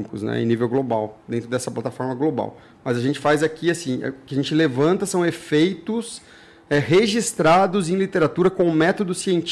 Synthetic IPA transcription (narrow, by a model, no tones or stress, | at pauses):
mikʊznɛ̰ḛ̃nivewɡlobawd̪ẽt̪ɾʊd̪ɛsɐplat̪afɔɾmɐɡloba̰w | mɐzaʒẽnt͡ʃɪfajzakʰiasḭ̃ʊkɪaʒẽnt͡ʃɪlevɐ̃nt̪ɐsɐ̃w̃efejt̪ʊs | ɛɦeʒist̪ɾad̪ʊzẽj̃lit̪eɾat̪uɾɐkõʊmɛt̪od̪ʊsiẽnt͡ʃ